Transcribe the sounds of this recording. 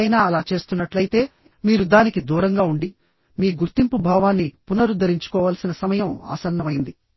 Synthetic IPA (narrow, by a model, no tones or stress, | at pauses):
jnaːɐlaːt͡ʃe̞ːst̪unːɐʈlɐjit̪e̞ː | miːɾud̪aːnikid̪uːɾɐŋɡaːuɳɖi | miːɡuɾt̪impubʱaːʋaːnːipunɐɾud̪ɐɾiɲt͡ʃu̥kɔːʋaːlsinɐsɐmɐjɐma̰ːsɐnːɐmɐjind̪i